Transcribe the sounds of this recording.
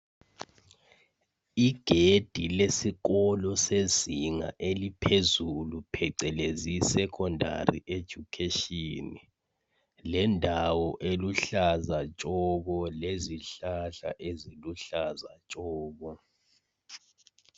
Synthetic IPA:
iɡ̥ʱed̥ʱilesiɣɔlɔseziŋa̰ʔelipʰezulupʰɛǀɛlezisɛkʰɔndʱa̰rḭʔed̥ʒ̥ʱukʰeʃini | lɛndʱawɔʔeluɬazat͡ʃʼɔɣɔleziɬaɬa̰ʔeziluɬazat͡ʃʼɔːɣɔ

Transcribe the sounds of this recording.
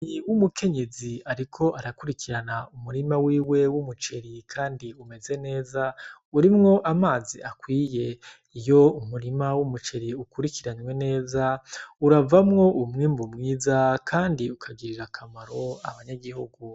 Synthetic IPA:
niwumukʰe̞ɲe̞ziaɾikʰo̞ʔaɾakuɾikiɾanaumuɾimawiːwe̞wumut͡ʃe̞ɾikʰaːndiume̞ze̞ne̞ːzauɾimŋo̞ʔamaːzḭakwiːje̞ | ijo̞umuɾimawumut͡ʃe̞ɾiukuɾikiɾaɲwe̞ne̞ːzauɾavamŋo̞ʔumŋiːmbumŋiːzakʰaːndiukʰaɡiɾiɾakʰamaɾo̞a̰βaɲaɡihuɡu

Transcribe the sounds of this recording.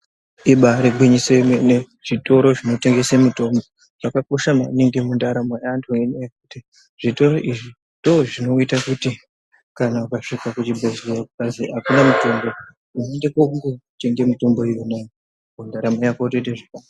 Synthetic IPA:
iɓaɾiɡʱwiɲisene | ʐ̥ito̞ɾo̞ʐino̞te̞ŋɡe̞semuto̞mbo̞ | ʐ̥akako̞ʃamaneŋɡemundaɾamoantʰuenejekuti | ʐ̥ito̞ɾo̞ʔiʐi | ndoʐino̞itakuti | kanaukaʂikakut͡ʃibʱezeerokukaziɦakunamuto̞mbo̞ | unendekouŋɡote̞ŋɡe̞muto̞mbo̞ijunejo | mundaɾamojakotedeʐikan

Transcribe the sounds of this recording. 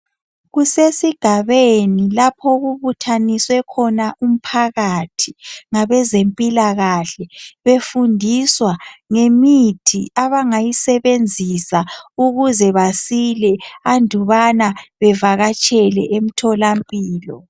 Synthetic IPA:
ɣusesiɡ̥ʱaβenilapʰɔɣuβutʰaniswɛkʰɔnaum̩pʰaɣatʰi̥ŋaβɛzempʼilaɣaɬɛβefundʱiswaŋemitʰḭaβaŋajisɛβend͡zʱisauɣuzɛβasilɛandʱuβanaβɛvaɣat͡ʃʼʰɛlɛʔem̩tʰɔlampʼiːlɔ

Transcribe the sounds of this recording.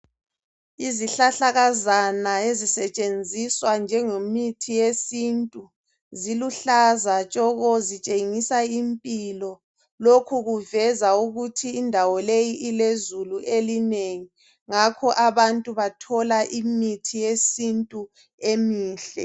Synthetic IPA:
iziɬaɬaɣazanaezisɛt͡ʃʼend͡zʱiswand͡ʒʱɛŋomitʰijesintʼu | ziluɬazat͡ʃʼɔɣɔzit͡ʃʼeŋisaimpʼilɔ | lokʰuɣuvɛzauɣutʰiːndʱawɔlejiʔilezuluʔelineŋi | ŋakʰɔʔaβantʼuβatʰɔlaʔimitʰijesintʼu | emiːɬɛ̰

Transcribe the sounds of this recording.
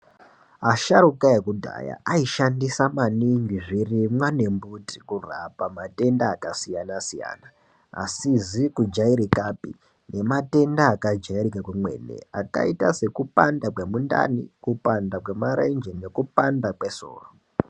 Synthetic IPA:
aʃaɾukaekudʱa̰ja̰aiʃandisamaniŋɡiʐirimwane̞mbuti̥kura̰pamate̞ndaːkasijanasija̰ːna | a̰sizikud͡ʒaiɾikapḭ | ne̞mate̞ndaːkad͡ʒaiɾikakwemwe̞̰nḛaka̰itase̞kupandakwe̞munda̰nikupandakwe̞maɾend͡ʒene̞kupandakwe̞so̰ːro

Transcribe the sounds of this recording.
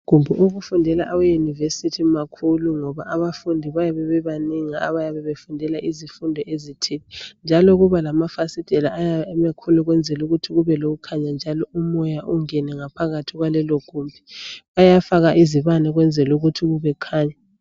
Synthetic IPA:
ɡ̥ʱumbʱuʔoɣufundʱɛlaʔawejunivesitʰimakʰuluŋɔβaʔaβafundʱiβajaβɛβɛβaniŋia̰βajaβɛβefundʱɛlaʔizifundʱɔʔezitʰilind͡ʒʱaloɣuβalamafasid̥ʱɛlaʔajaɛmakʰuluɣwɛnd͡zʱɛluɣutʰiɣuβɛloɣukʰaɲand͡ʒʱalɔʔumɔjaʔuŋɛnɛŋapʰaɣatʰiɣwalɛloɡ̥ʱumbʱiβajafaɣaʔiziβanɛɣwɛnd͡zʱɛluɣutʰiɣuβɛkʰaːɲa

